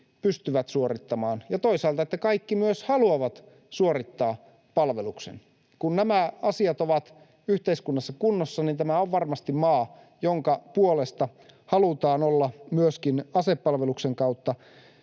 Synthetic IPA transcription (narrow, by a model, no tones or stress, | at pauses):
pyst̪yʋæt̪suorit̪ːɑmɑːnjɑt̪oisɑːlt̪ɑet̪ːækɑikːimyøshɑluɑʋɑt̪ | suorit̪ːɑː | pɑlʋeluksḛn | kunnæmæɑsiɑt̪oʋɑt̪ | yht̪eiskunːɑsːɑkunːosːɑnint̪æmæoʋʋɑrmɑst̪immɑː | joŋkɑpuolest̪ɑhɑlut̪ɑːnolːɑmyøskinɑsepːɑlʋelukseŋkɑut̪ːɑ